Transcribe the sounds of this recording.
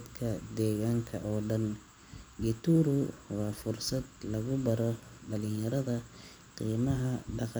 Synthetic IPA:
d̪kʰɐd̪ɛːɣaːŋkʰɐ̰ʔɔːɖɐn | ɡɪt̪ʰuːɾʊwɑːfʊrsɐd̪lɐɣʊbɐɾɔɖɐlɪnjɐɾɐðɐ | qiːmɐɦɐɖɑq

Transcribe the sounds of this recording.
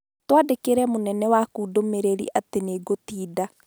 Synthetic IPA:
twaːdekeɾɛmonɛnɛwakuːdomeɾeɾḭʔateneɡotiːda

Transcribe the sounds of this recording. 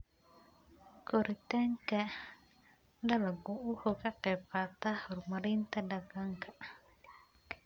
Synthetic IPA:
koɾit̪ɛŋkɛ | dalaɡuʔuhokakɛpat̪ahɾumaɾint̪adaɡaŋka

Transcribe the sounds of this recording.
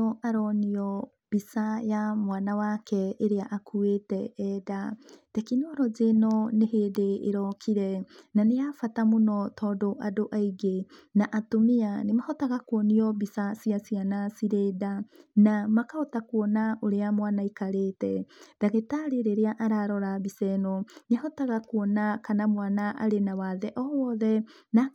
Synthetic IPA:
oʔaɾɔniɔ | b̥isajamwaːnawakɛːɾeaʔakʰuetɛɛdatekinoɾɔd͡ʒenɔnehedḛːɾɔkʰiɾɛnaneafatamunɔtʰɔdoʔadoʔaiɡenaʔatomianemahɔtaɣakwɔniɔbisasiasianasiɾedanamakaotakuɔnaoɾeamwanaikaɾetɛd̥aɣetaɾeɾeɾeaʔaɾaɾɔɾaβisɛnɔnaɦɔtaɣakuɔnakanamwanaʔaɾenawaðɛʔɔwɔðɛ | na

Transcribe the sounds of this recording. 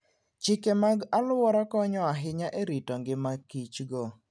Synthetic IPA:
t͡ʃɪkemaɡalʊwɔɾakɔɲɔaɦɪɲaʔeɾitɔŋɡɪmakit͡ʃɡɔ

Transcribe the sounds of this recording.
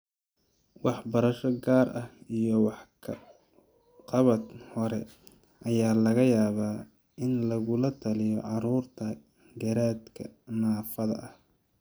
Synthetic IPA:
wɑħbɐɾɐʃɔɡaːrʔɐhijɔwɑħkʰɐ | qɑβɐd̪hɔɾɛ | ʔɐjaːlɐɣɐjaːβaː | ɪnlɐɣʊlɐt̪ʰɐlɪjɔʕɑɾuːrt̪ʰɐ | ɡɐɾaːd̪kʰɐ̰naːfɐðɐ̰ʔɐh

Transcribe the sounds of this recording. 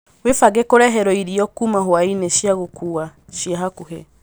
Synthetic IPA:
wefaɡɛkoɾɛɦɛɾɔiɾiɔkumaɦwainɛʃjaɣokʰuaʃjaɦakuɦɛ̰

